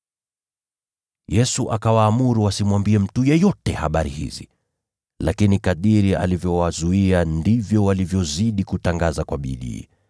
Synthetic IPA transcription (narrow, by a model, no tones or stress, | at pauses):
jɛsuʔakawaːmuɾuwasimwambiɛm̩tujɛjɔtɛhaɓaɾḭhḭzḭ | lakinikaɗiɾia̰livjɔwazuiandivjɔwalivjɔziɗikutaŋɡazakwaɓḭɗḭː